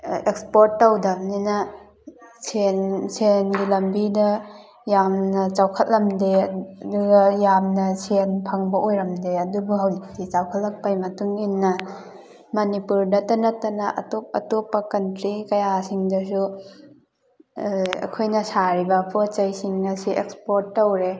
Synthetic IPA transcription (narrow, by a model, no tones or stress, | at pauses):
ekspoɾtːawdɐmninɐ | sensenɡilɐmbidɐ | jamnɐt͡ʃawkʰɐt̚lɐmdeduɡɐjamnɐsʰenpʰaŋbɐʔojɾɐmdeɐdubuɦawlik̚tit͡ʃawkʰɐt̚lɐk̚pajmɐtuŋinːɐ | mɐnipuɾdɐtɐnɐtɐnɐʔɐ̰top̚ɐ̰topːɐkɐntɾikɐjasiŋdɐs̬u | ɐ̰kʰojnɐsaɾibɐpʰot͡ʃɐjsiŋnɐsiʔekspoɾtːɐwɾe